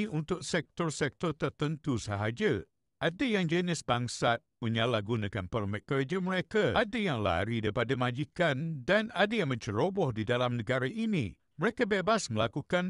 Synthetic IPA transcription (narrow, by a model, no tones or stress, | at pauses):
unt̪ʊk̚sɛk̚t̪ɔrsɛk̚t̪ɔrt̪ərt̪ənt̪usaɦad͡ʒə | ʔadəjaŋd͡ʒənɪsbaŋsat̪̚məɲalahɡunakanpərmɛt̪̚kːərd͡ʒəməɾekaʔadəjaŋla̰ɾidaɾipadəmad͡ʒikandanadəjaŋmə̃ɲt͡ʃəɾobɔhdidalamnəɡaɾaʔinḭ̃ | məɾekəbebasməlakukan